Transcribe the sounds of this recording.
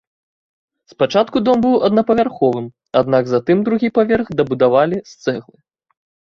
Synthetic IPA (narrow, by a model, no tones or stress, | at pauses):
spat͡ʂat̪kud̪ɔmbɨwɐd̪nɐpɐvʲarxɔvɨm | ad̪̚naɡzat̪ɨmd̪ɾuɣʲipavʲɛrɣd̪ɐbud̪avalʲist̪sɛɣlˠɨ